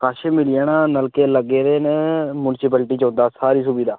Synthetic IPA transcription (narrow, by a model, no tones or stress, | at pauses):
kaːʃeːmɪlijaːnaːnəlkeːləɡeːd̪eːneːmuːnɪsɪpəːlʈiːt͡ʃõːnd̪aːsaːɾiːs̬ubiːd̪aː